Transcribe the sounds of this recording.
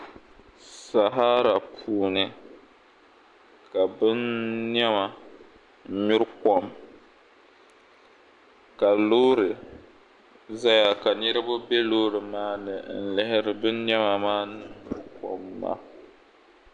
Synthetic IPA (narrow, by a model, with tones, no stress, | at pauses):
sa˨ɦa˦ɾa˨pʰuː˦˨nɨ˦ | ka˨bɨ˦nːɛ˦ma˨˦ | ɲʊ˦ɾkɔ˦m | ka˨loː˦ɾɨ˨ | za˦ja˨ka˨nɨ˦ɾɨ˦bʊ˦be˦loː˦ɾɨ˨maː˦nɨ˨˦n̩˨lɪ˦hɪ˦ɾɨ˨bɨ˦nːɛ˦ma˨maː˦nɨ˨˦ɲʊ˨ɾkɔ̰˨mːa̰˦